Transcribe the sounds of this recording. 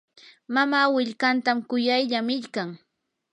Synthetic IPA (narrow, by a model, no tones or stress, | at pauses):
mamaːwɪʎkant̪amkʊjajʎamɪʎkaŋ